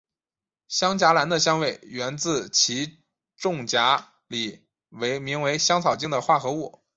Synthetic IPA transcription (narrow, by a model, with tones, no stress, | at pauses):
ɕjɑ˥ŋt͡ɕja˧˥la˧˥nd̪ə˧ɕjɑ˥ŋwe˧˥˩ɪɥɛ˧˥nt͡sɹ̩˥˩t͡ɕʰi˧˥ | ʈ͡ʂʊ˥˩ŋt͡ɕja˧˥ | li˨˩˦ | we˧˥ɪmi˧˥ŋwe˧˥ɪɕjɑ˥ŋt͡sʰɑ˨˩ʊt͡ɕi˥ŋd̪ə˨xwa˥˩xɤ˧˥u˥˩